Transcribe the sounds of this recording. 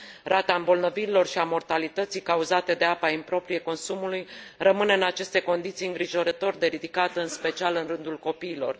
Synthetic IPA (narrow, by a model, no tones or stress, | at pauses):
rat̪aɨmbo̞lnəviɾilo̞rʃiamo̞rt̪alit̪ət̪sijkauzat̪e̞d̪e̞apaimpɾo̞pɾije̞ko̞nsumulujrəmɨneɨnat͡ʃe̞st̪e̞ko̞nd̪it̪sijɨŋɡɾiʒo̞ɾət̪o̞rd̪e̞ɾid̪ikat̪əɨnspe̞t͡ʃialɨnrɨnd̪ulko̞piːlo̞̰r